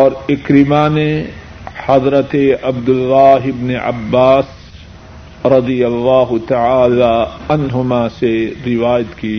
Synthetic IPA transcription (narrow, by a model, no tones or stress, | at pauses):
ɔːɾɪkɾɪmane | hɐd̪ɾət̪eɐbd̪ʊlːaːɦɪbneʔɐ̰bːaːs | ɾɐd̪ijɐlːaːɦʊt̪aʕaːlaɐnɦʊmaseɾɪʋaːjət̪kiː